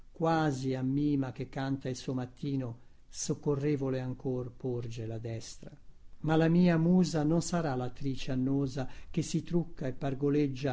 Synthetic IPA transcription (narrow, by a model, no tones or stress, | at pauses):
kwaːziamːiːmak̟ekːant̪ailsuːmat̪ːiːno | sokːorːeːvoleaŋkorpord͡ʒelad̪ɛst̪ɾamalamiːamuːzanonsaɾalat̪ːɾiːt͡ʃeanːoːzak̟esːit̪ɾukːaepːarɡoled͡ʒːa